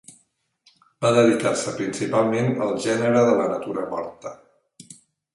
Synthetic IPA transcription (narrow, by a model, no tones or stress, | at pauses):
baðəðikarsəpɾinsipalˠmenəlˠʒɛnəɾəðələnət̪uɾəmɔ̰ɾt̪ə